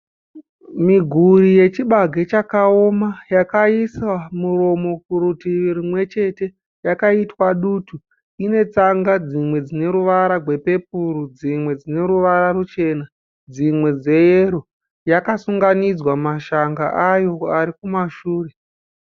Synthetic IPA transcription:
miɡʱurije̞t͡ʃiɓaɡʱe̞t͡ʃakao̞majakaisamuro̞mo̞kuɾutiʋirimwe̞t͡ʃe̞te̞ | jakaitwaɗutu | ine̞t͡saŋɡad͡zimwe̞d͡zine̞ɾuʋaɾaɡʱwe̞pe̞p̚uɾud͡zimwe̞d͡zine̞ɾuʋaɾarut͡ʃe̞na | d͡zimwe̞d͡ze̞jeɾo | jakasuŋɡanid͡zwamaʃaŋɡaʔajo̞aɾikumaʃuːre̞

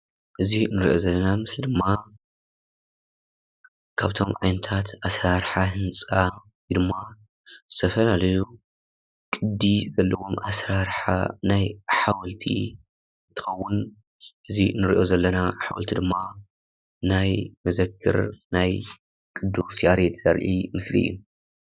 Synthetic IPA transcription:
ʔɨzinɨɾiʔo̞zɐlːɐnamɨsd̪ɨmːa | kʰaβt̪ʰo̞mʕa̰jnɐt̪ʰat̪ʔasɾaɾħahɨnt͡sʼa | d̪ɨmːa | zɨt̪ʰɐfɐlalɐju | kʼɨd̪ːizɐlːɐwo̞mʔasɾaɾħa̰najħawɐlt̪ʰḭ | t̪ʰɨ̥xɐwːʊn | ʔɨzinɨɾiʔo̞zɐlːɐnaħa̰wɐ̰lt̪ʰid̪ɨmːa | najmɐzɐkʰːɨ̰ɾnaj | kʼɨd̪ːusaɾet̪zɐɾʔimɨslḭjḭn

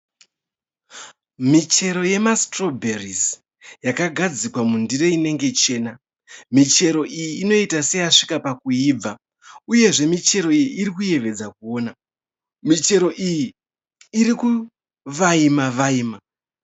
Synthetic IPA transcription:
mit͡ʃe̞ɾo̞je̞mastro̞bʱeriz | jakaɡʱad͡zikwamundire̞ine̞ŋɡe̞t͡ʃe̞ːna | mit͡ʃe̞ɾo̞ʔijiːno̞itase̞jaʂi̥kapakuiːb͡va | uje̞ʐe̞mit͡ʃe̞ɾo̞ijiːɾikuje̞ʋe̞d͡zakuo̞ːna | mit͡ʃe̞ɾo̞ʔijiː | ɾiku | ʋaimaʋaiːma

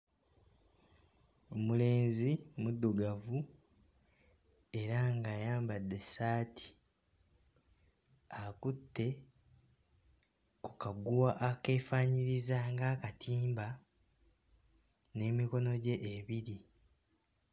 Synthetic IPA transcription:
o̞mule̞ːnzimudːuɡavu | e̞ɾaŋɡaːjaːmbadːe̞saːtʰi̥ | akutːe̞ | kukaɡuwaʔake̞ːfaːɲiɾizaŋɡaːkatʰiːmba | ne̞ːmiko̞no̞ɟe̞ʔːβiɾi

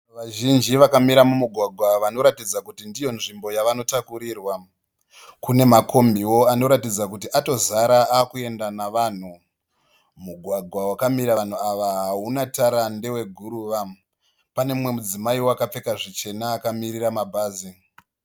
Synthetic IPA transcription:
ʋaʒind͡ʒiʋakamiɾamumuɡʱwaɡʱwaʋano̞ɾatid͡zakutindijo̞nʐimbo̞jaʋano̞takuɾiːrwa | kune̞makʰo̞mbiwo̞ano̞ɾatid͡zakutiʔato̞zaɾaaːkue̞ndanaʋan̤u | muɡʱwaɡʱwawakamiɾan̤uaʋaɦaunataɾande̞we̞ɡʱuɾuʋa | pane̞mwe̞mud͡zimaiwoakap͡fe̞kaʐit͡ʃe̞naːkamiriramabʱaːzi

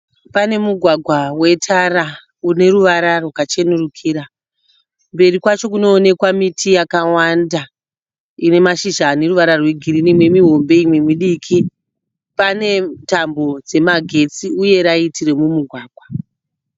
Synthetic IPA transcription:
pane̞muɡʱwaɡʱwawe̞tʰara | une̞ɾuʋaɾarokat͡ʃe̞nurukʰiːɾa | mbe̞rikwat͡ʃo̞k̬uno̞ːne̞kwamitʰijakawanda | ine̞maʃiʒaːne̞ruʋaɾarweɡʱiɾinemwe̞miɦo̞mbe̞imwe̞miɗikʰi | pane̞tambo̞d͡ze̞maɡʱe̞t͡siuje̞ɾaitire̞mumuɡʱwaːɡʱwa

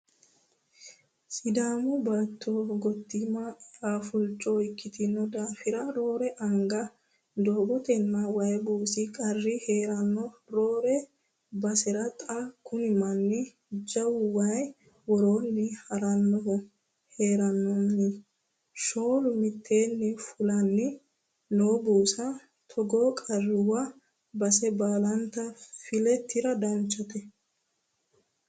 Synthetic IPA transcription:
sɪd̪aːmʊbɐt̪ːoɡɔt̪ːɪmɐaːfʊlt͡ʃʼːɔɪkːɪt̪ɪnːɔd̪aːfɪɾɐɾo̞ːɾɛʔɐŋɡɐ | d̪o̞ːbɔt̪ɛnːɐwɐjbuːsɪkʼɐrːɪheːɾɐnːɔɾoːɾɛ | bɐsɛɾɐt̪ʼakʊnɪmɐnːɪ | d͡ʒɐwʊwɐj | wɔɾoːnːɪhɐɾɐnːɔɔ | he̞ːɾɐnːɔnːɪ | ʃo̞ːlʊmɪt̪ʰːe̞ːnːɪfʊlɐnːɪ | noːbuːsɐ | t̪ʰɔɡoːkʼɐrːɪwɐ | bɐsɛbaːlɐnt̪ɐfɪlɛt̪ːɪɾɐd̪ɐnt͡ʃʼːɔt̪ɛ

